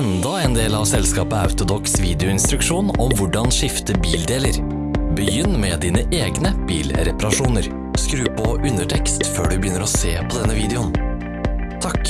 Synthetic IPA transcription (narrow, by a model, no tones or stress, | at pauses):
ɛnd̪ɑɛnd̪eːlɑʋsɛlskɑːpəɑ̰ʉt̪ʊd̪ɔksʋiːd̪ɛʊɪnst̪ɾʉkʂuːnɔmʋʊɖɑnʂɪft̪əbiːld̪eːləɾ | bəjʏnːmɛd̪iːnəʔeːɡnəb̥iːlɾɛpɑɾɑʂuːnəɾ | skɾʉːpʰɔʔʉnəʈʰɛkst̪fø̰ːɖʉbəjʏnːəɾɔseːpʰɔd̪ɛnːəʋiːd̪ɛʊn | t̪ʰɑkː